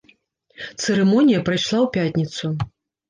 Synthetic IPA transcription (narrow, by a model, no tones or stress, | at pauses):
t̪sɨɾɛmɔnʲijɐpɾajʂlˠawpʲatʲnʲit̪su